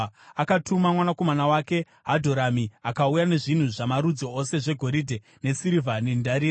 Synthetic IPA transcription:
akatumamwanako̞manawaːke̞ | ɦadʱo̞ɾamiakaujane̞ʐin̤uʐamaɾud͡zoose̞ʐe̞ɡʱo̞ɾidʱe | ne̞siɾivʱanindaɾiːɾa

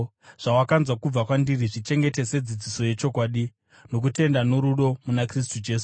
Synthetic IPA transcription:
ʐ̥awakanzwakub͡vakwandiriʐit͡ʃe̞ŋɡe̞te̞se̞d͡zid͡ziso̞je̞t͡ʃo̞kwaːɗi | no̞k̬ute̞ndanoɾuɗo̞munakris̬tud͡ʒe̞ːsu̥

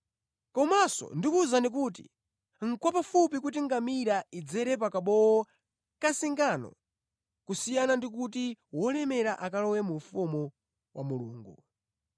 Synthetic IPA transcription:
kɔmasɔ̰ndikuzanik̬uːt̬ḭ | ŋ̩kwapafupikut̬iŋɡamiɾaid͡zɛɾɛp̬akaɓɔwɔ | kasiŋɡanɔ̰ | kusijanandik̬ut̬iwɔlɛmɛɾaʔakalɔwɛmuɱfumu | wʔamuluːŋɡṵ

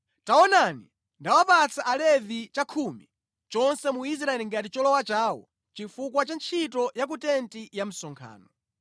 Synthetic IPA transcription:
taɔnani | ndawapat͡sʰaʔalɛvit͡ʃakʰumi | t͡ʃɔnsɛmuis̬ɾaɛliŋɡatit͡ʃɔlɔwat͡ʃaːwɔ̰ | t͡ʃifukwat͡ʃant͡ʃʰitɔjak̬utɛntijam̩sɔŋkʰa̰ːnɔ

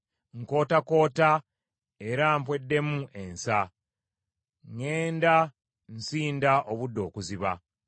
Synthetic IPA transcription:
ŋko̞ːtako̞ːta | e̞ɾampwe̞dːe̞muʔe̞nsa | ŋeːnda | n̩siːndaʔoβudːo̞ːkuziβa

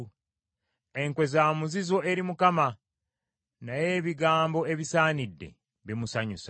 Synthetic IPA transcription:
eŋkwe̞zaːmuzizo̞ʔe̞ɾimukama | naje̞ːβiɡaːmbo̞e̞βisaːnidːe̞̰ | βimusaɲusa

